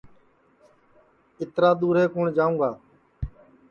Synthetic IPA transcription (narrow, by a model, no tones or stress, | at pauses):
ɪt̪ɾaːd̪uːɾeːkoːɳd͡ʒaːũːɡaː